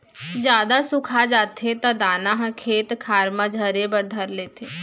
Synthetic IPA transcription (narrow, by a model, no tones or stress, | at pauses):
d͡ʒjaːd̪asʊkʰad͡ʒaːt̪ʰet̪ãd̪aːnaɦkʰeːt̪kʰaːɾmãd͡ʒʱəɾebəɾd̪ʱəɾleːt̪ʰeː